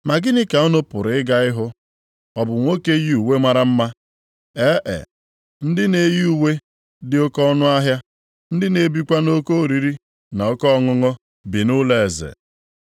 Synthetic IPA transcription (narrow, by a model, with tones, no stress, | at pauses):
ma˨ɡɪ˦nɪ˦ka˨ɔ˦nʊ˦pʊ˨ɾɪ˦ɡa˦ɪ˦ɦʊ˦ | ɔ˨bʊ˨ŋʷo˦ke˦ji˦u˨we˦ma˦ɾa˦m̩˦ma˦ | e˦ʔḛ˨ | n̩˦dɪ˦ne˨ji˦u˨we˦ | dɪ˨o˦kɔ˦ɔ˦nʊ˦a˦ɦja˦ | n̩˦dɪ˦ne˨bi˦kʷa˦no˦ko˦o˨ɾi˨ɾi˦ | na˨o˦kɔ˦˨ŋʊ˦ŋɔ˦ | bi˨nʊ˦le˦˨zḛ˨